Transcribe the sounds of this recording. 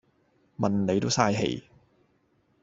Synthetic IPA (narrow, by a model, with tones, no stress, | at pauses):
mɐ˨nne˨˧jt̪o˥wsaː˧jɦḛ˨˩j